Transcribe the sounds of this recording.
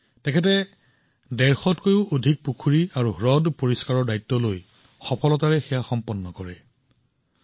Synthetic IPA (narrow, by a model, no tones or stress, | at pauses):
tɛkʰɛt̬ɛ | dɛɹxɔtkojʊodʱik̚pukʰuɹiaɹuɦɹɔdpoɹiskaɹɔɹdajtːɔloj | xɔpʰɔlɔtaɹɛxɛjaxɔmpɔnːɔkɔɹɛ